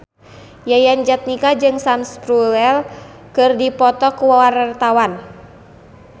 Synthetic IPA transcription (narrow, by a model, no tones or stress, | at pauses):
jajand͡ʒat̪̚nikad͡ʒɨŋsanspɾulɛl | kɨrdipɔt̪ɔkuwawarart̪awan